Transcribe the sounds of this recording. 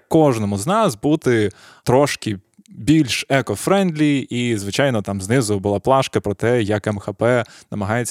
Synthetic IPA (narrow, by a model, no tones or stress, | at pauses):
kɔʒnɔmʊznɑsbut̪ɪ | t̪ɾɔʃkɪ | bʲilʲʃɛkɔfɾɛnd̪lʲiizʋɪt͡ʃɑjnɔt̪ɑmznɪzʊbʊlˠɑplˠɑʃkɐpɾɔt̪ɛjɐkɛmxɐpɛnɐmɐɦɑjet͡sʲː